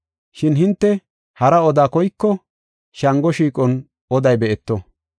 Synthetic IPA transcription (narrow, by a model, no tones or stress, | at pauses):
ʃɪnɦɪnt̪ːɛ | hɐɾɐɔd̪aːkɔjkːɔ | ʃɐŋɡɔʃiːkʼɔn | ɔd̪ɐjbɛʔɛt̪ːɔ